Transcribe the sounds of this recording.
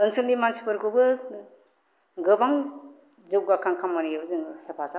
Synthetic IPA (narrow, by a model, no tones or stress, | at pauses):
ɯnsɯldimansipɯɾkʰobɯ | ɡɯbaŋ | zɯwɡakʰaŋkʰamːaniebɯzɯŋhepʰaza